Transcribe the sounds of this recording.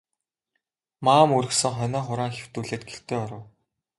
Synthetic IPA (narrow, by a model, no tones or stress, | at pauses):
maːmuɾɘ̆xsɘ̆ŋχœnaːχʊɾaːŋxew̥t̪uːɮeːt̪̚ɡeɬt̪eːɔɾə̆w